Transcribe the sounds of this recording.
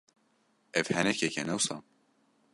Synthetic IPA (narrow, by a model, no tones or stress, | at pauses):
ɛvhɛnɛkɛkɛnɛwsɑ̰ː